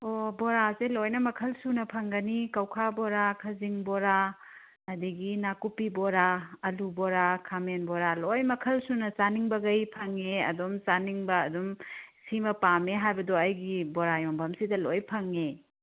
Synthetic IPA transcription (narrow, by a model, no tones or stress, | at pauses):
oboɾazelojnɐmɐkʰɐlsunɐpʰɐŋɡɐnikɐwkʰabɔɾakʰɐziŋboɾa | ɐdiɡinakupiboɾaɐluboɾakʰamenboɾalojmɐkʰɐlsunɐsaniŋbɐɡɐjpʰɐŋeɐ̰domsaniŋbɐːdumsimɐpameɦajbɐdoɐjɡiboɾajoŋbʱɐmsidɐlojpʰɐŋe